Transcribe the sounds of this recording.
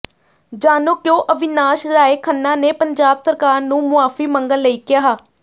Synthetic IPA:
d͡ʒaːnoːkjõːʔəʋɪnaːʃɾaːeːkʰənːãːneːpəɲd͡ʒaːbsəɾkaːɾnũːmʊaːfiːməŋɡəlːəiːkɪjaːɦaː

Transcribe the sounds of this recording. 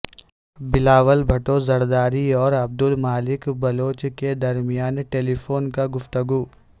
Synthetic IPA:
bɪlaːʋəlbʱɐʈozɐɾd̪aːɾiɔːɾɐb̚d̪ʊlmaːlɪkbɐloːt͡ʃked̪ɐɾmɪjaːnʈeːlifʰoːnkaɡʊft̪əɡuː

